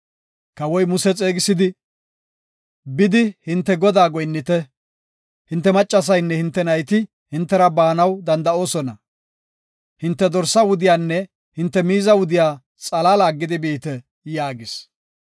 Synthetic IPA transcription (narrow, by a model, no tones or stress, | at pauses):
kɐwɔjmʊsɛt͡sʼe̞ːɡɪsɪd̪ɪ | bɪd̪ɪhɪnt̪ːɛɡɔd̪aːɡɔjnːɪt̪ɛ | hɪnt̪ːɛmɐt͡ʃʼːɐs̬ɐjnːɛhɪnt̪ːɛnɐjt̪ɪ | hɪnt̪ːɛɾɐbaːnɐwd̪ɐnd̪ɐo̞ːsɔnɐ | hɪnt̪ːɛd̪ɔɾsɐwʊd̪ɪjaːnːɛ | hɪnt̪ːɛmiːzɐwʊd̪ɪjaː | t͡sʼɐlaːlaːɡːɪd̪ɪbiːt̪ɛ | jaːɡɪs